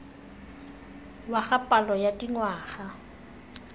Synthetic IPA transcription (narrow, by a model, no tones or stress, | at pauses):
waχapʼalɔjatʼiŋwaːɣa